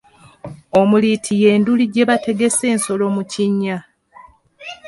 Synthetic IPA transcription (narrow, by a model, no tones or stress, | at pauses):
o̞mulitʰije̞ːnduliɟe̞βatʰe̞ɡe̞se̞ːnso̞lo̞muciɲːa